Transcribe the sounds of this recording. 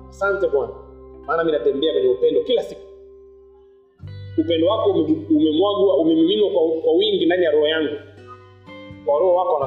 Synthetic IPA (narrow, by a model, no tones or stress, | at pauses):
asantɛmwanamaːnaminatɛmbɛakwɛɲɛupɛndɔkilasiku̥ | upɛndɔwakɔmumɛmwaɡuaumɛmilinwakwakwawiŋɡindanijaɾɔhɔjaŋɡu | kwaɾɔhɔwakɔwana